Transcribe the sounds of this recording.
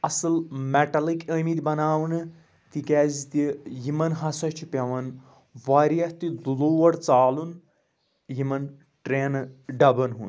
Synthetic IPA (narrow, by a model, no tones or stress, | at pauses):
ɐsɨlmeʈɐlikəːmit̪ʲbɐnaːwnɨ | t̪ikɛːzit̪ijimɐnɦɐsɐt͡ʃʰipʲɐʋɐn | ʋaːɾijɐht̪id̪uloːʋɐɽt͡saːlun | jimɐn | ʈɾeːnɖɐbɐnɦṵn